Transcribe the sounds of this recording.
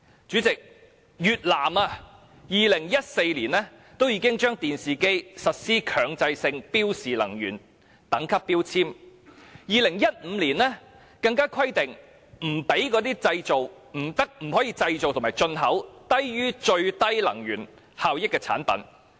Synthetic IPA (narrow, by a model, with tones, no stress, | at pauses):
t͡ʃyː˨˥t͡sɪ˨k̚ | jyː˨t̚laː˨˩maː˧ | jiː˨lɪ˨˩ŋjɐ˥t̚se˧jliː˨˩nlɛː˥ | t̪o˥wjiː˧kɪ˥ŋt͡ʃœː˥ŋt̪iː˨nsiː˨ke˥jsɐ˨t̚siː˥kʰœː˨˧ŋt͡sɐ˧jsɪ˧ŋpiː˥wsiː˨lɐ̰˨˩ŋjyː˨˩n | t̪ɐ˨˥ŋkʰɐ˥pːiː˥wt͡sʰiː˥m | jiː˨lɪ˨˩ŋjɐ˥t̚m̩˨˧liː˨˩nlɛː˥ | kɐ˧ŋkaː˥kʰwɐ˥jt̪ɪ˨ŋ | m̩˨˩pe˨˥jkɔː˨˥t̪iː˥t͡sɐ˧jt͡so˨w | m̩˨˩t̪ɐ˥k̚m̩˨˩hɔː˨˥jiː˧t͡sɐ˧jt͡so˨wt̪ʰo˨˩maː˨˩jt͡ʃɵ˧nɦɐ˨˥wt̪ɐ˥jjyː˥t͡ʃɵ˧ɥt̪ɐ˥jlɐ̰˨˩ŋjyː˨˩n | haː˨˧wjɪ˥kːɛː˧t͡sʰa̰ː˨˥npɐ̰˨˥n